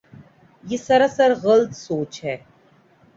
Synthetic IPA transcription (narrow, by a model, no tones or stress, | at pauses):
jesɐɾasəɾɣəlt̪soːt͡ʃɦɛː